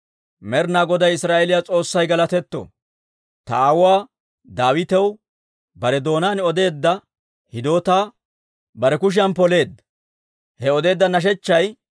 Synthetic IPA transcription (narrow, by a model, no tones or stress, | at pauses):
mɛɾnaːɡɔd̪ɐjɪsɾaːʔɛlɪjat͡sʼo̞ːsːɐjɡɐlɐt̪ɛt̪ːo̰ | t̪ɐaːwʊaː | d̪aːwɪt̪ɛw | bɐɾɛd̪o̞ːnaːnɔd̪e̞ːd̪ːɐ | hɪd̪o̞ːt̪aː | bɐɾɛkʊʃ̬ɪɐnpɔle̞ːd̪ːɐ | hɛɔd̪e̞ːd̪ːɐnɐʃ̬ɛt͡ʃːɐj